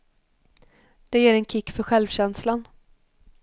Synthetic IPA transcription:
d̪̥ɛjeːɾɛnkʰɪkːfœɾɧɛlvɕɛnslan

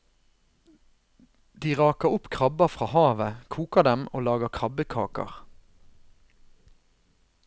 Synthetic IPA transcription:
d̪iːʁɑːkəʁʊpkʰʁɑbəfʁɑːhɑːʋəkʰuːkəʁd̪ɛmoːlɑːɡəkʰʁɑbəkʰɑ̰ːkɑ̰ʁ

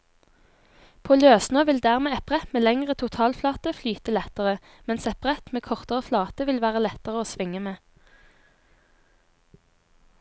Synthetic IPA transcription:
pʰoːløːsnøːʋɪld̪æʁmeːɛpʁɛt̪meːlɛŋʁət̪ʰʊt̪ʰɑːlflɑːt̪əflyːt̪əlɛt̪əʁə | mɛnsɛpəʁɛt̪meːkʰɔʁt̪əʁəflɑːt̪əʋɪlʋæːʁəlɛt̪əʁəoːsʋɪŋəmeː

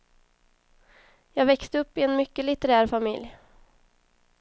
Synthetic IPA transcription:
jɑːɡvɛkst̪əɵpːɪenmʏkːəlɪt̪əɾæːɾfamɪ̰lj

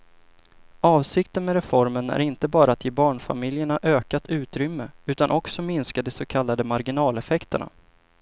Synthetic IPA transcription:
ɑːvsɪkt̪ənmɛɾɛfɔɾmənæ̰ɾɪnt̪əbɑːɾaːt̪ʰjeːbɑːɳfa̰mɪljəɳaʔøːkat̪ʰʉ̟ːt̪ɾʏmːəʉ̟ːt̪anʔɔksɔmɪnskad̪ɛsokʰalːad̪əmaɾɡɪnɑːlɛfɛkt̪əɳa̰

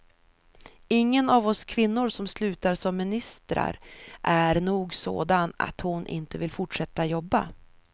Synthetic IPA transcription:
ɪŋːənavɔskʰvɪnːʊɾʂɔmslʉ̟ːt̪aɾsɔmmɪnɪst̪ɾa̰ɾʔæɾnuːɡso̰ːd̪ana̰t̪hʊnʔɪ̰nt̪əvɪlfʊʈʂɛt̪ːajɔbːa̰

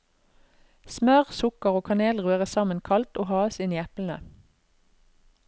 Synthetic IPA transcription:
smœʁsʊkəʁoːkʰɑneːlʁʉːəʁəsɑmənkʰɑlt̪oːhɑːəsɪniːɛpln̩ə̰

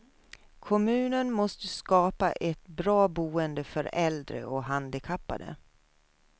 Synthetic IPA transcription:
kʰɔmʉ̟ːnənmɔst̪əskɑːpaʔɛt̪bɾɑːbuːənd̪əfœɾɛld̪ɾə̰ɔɦand̪ɪkʰapːa̰d̪ə̰

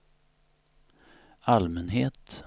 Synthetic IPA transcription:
almɛnɦeːt̪

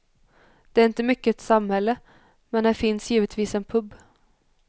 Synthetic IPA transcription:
d̪̥ɛæɾɪnt̪əmʏkːəɛt̪samhɛlːə | mɛnd̪æɾfɪnsjiːʋət̪ʰʋiːsɛnpʰɵb

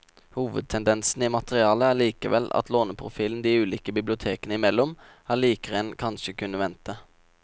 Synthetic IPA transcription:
huːʋə̰d̪̚t̪ʰɛnd̪ɛnsn̩iːmɑt̪əʁɪɑːləæːɭiːkəʋɛ̰lʔɑ̰t̪loːnəpʰʁʊfiːln̩d̪iːʉːliːkəbɪblɪʊt̪ʰeːkənəɪmɛlːɔm | hɑːɭiːkəʁɛnkʰɑnʃəkʰʉnːəʋɛnt̪ə

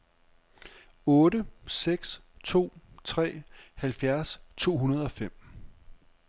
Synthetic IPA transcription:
ɔ̽ːɾəseɡ̥st͡sʰo̝̰ːt͡sʰʁɛ̰ːhælfjæɐst͡sʰo̝̰ːɦunɐð̞ˠɒ̽fem̰

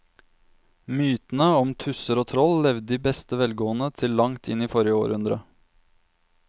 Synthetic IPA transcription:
myːt̪n̩əɔmt̪ʰʉsəɾoːt̪ʰɾɔllɛʋd̪d̪iːbɛst̪əʋɛlɡoːənət̪ʰɪllɑŋt̪ʰɪniːfɔɾjəo̰ːɾʉnd̪ɾə

